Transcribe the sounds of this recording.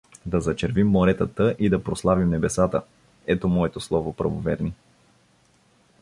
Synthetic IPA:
d̪ɐzɐt͡ʃɛɾvimːoɾɛt̪ət̪əʔid̪ɐpɾoslˠavimnɛbɛsat̪ə | ɛt̪omɔɛt̪oslˠɔvopɾɐ̰vovɛɾni

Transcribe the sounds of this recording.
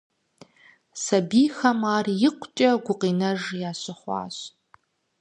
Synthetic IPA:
sɐbiːxɐmaːrjɪqʷʰt͡ʃʼɐɡʷʊqiːnɐʒjaːɕɨχʷɑ̰ːɕ

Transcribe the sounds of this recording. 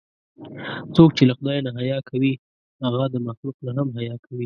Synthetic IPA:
t͡sok̚t͡ʃelaxʊd̪ɑjanaɦajɑkʰawi | haɣad̪əmaxluqnaɦamɦajɑkʰawi

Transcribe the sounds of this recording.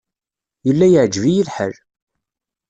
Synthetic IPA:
jəlːæjəʕd͡ʒvijilħə̰l

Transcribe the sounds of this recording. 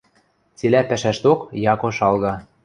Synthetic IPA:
t͡selæpæʃæʃt̪okjɑkoʃɑlɣɑ

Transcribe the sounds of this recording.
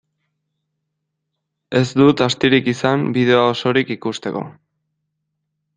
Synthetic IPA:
e̞zd̪ut̪ast̪iɾikisambið̞e̞ooso̞ɾikikust̪e̞ko̞̰

